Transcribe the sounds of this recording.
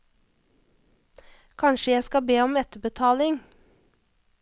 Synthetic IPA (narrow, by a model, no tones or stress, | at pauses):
kʰɑnʃəjæskɑbeːɔmɛt̪əbət̪ʰɑːlɪŋ